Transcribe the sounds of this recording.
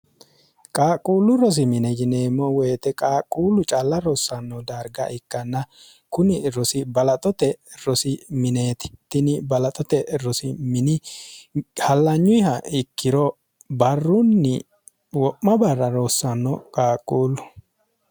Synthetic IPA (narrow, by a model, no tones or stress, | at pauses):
kʼaːkʼuːlːʊɾɔs̬ɪmɪnɛd͡ʒɪneːmːɔweːt̪ɛkʼaːkʼːuːlːʊt͡ʃʼɐlːɐɾɔsːɐnːɔd̪aɾɡɐ̰ʔɪkːɐnːɐ | kʊnɪɾɔsɪbɐlɐt̪ʼɔt̪ɛɾɔsɪmɪneːt̪ɪ̥t̪ːɪnɪbɐlɐt̪ʼɔt̪ɛɾɔsɪmɪnɪ | hɐlːɐɲːʊjhɐɪkːɪɾɔ | bɐrːʊnːɪ̰ | wɔʔːɐbɐrːɐɾosːɐnːɔkʼaːkʼuːlʊ